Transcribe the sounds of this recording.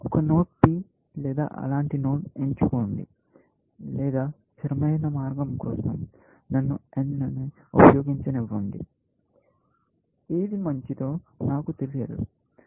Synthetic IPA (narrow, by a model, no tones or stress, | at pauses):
ɔkɐno̞ːʈ̚piː | lɛːd̪a̰ːʔɐ̰laːɳʈino̞ːʈeɲt͡ʃukoːɳɖḭ | lɛːd̪aː | t͡ʃɐɾɐmɐjnɐmaːɾɡɐmkɔ̰ːsɐ̰m | nɐnːuennɐniupɐjo̞ːɡiɲt͡ʃɐniʋːɐɳɖḭ | eːd̪imɐɲt͡ʃit̪o̞ːnaːkut̪elijɐd̪ṵ